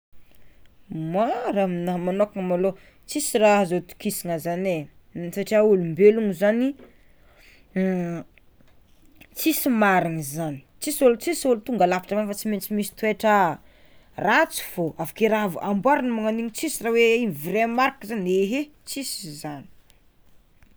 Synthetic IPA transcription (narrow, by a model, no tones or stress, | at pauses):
maɾaminaɦmanokaŋəmalo | t͡sisiɾaɦzot̪u̥kisiŋazane | saʈ͡ʂiaulumbeluŋuzani | t͡sisimaɾaŋizani̥t͡sisulut͡sisulut̪uŋɡalapḁʈ͡ʂavanfat͡siment͡simisi̥t̪ueʈ͡ʂə | rat͡si̥v̥oavakeɾav̰ʔambwaɾanimaŋaniɲit͡sisiraweivɾemaɾkəzaneɦe | t͡sisizani̥